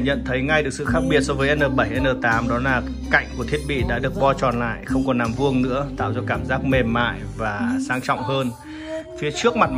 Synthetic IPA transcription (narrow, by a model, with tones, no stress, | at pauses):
ɲə̰˧˨nt̪ʰə˨˦jŋa˧jɗɨ˨˩ək̚sɨ̰˧˨xaː˦˥k̚ɓi˨˩ət̚sɔ˨˧˦vəː˨˦ʔɛ˧nʔəː˨˩ɓə˧˩jʔɛ˧nʔəː˨˩t̪aː˨˦mɗɔ˨˦laː˨˩ | ka̰˧˨jŋ̟ku˧˩ət̪ʰi˦˥ət̚ɓḭ˧˨ɗa̰ː˧˥ɗɨ˨˩ək̚ɓɔ˧t͡ɕɔ˨˩nla̰ː˧˨jxə˧wŋ͡mkɔ˨˩nlaː˨˩mvu˧əŋnɨ̰˧˥ət̪a̰ː˧˨wzɔ˧kaː˧˩mzaː˦˥k̚me˨˩mːa̰ː˧˨jvaː˨˩saː˨˦ŋt͡ɕɔ̰˧˨wŋ͡mhəː˧n | fi˨˦ət͡ɕɨ˦˥ək̚ma˨˩t̚